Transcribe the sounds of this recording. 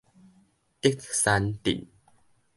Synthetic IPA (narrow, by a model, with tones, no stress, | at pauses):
t̪i˦˥k̚sa˧˦nt̪ḭ˨n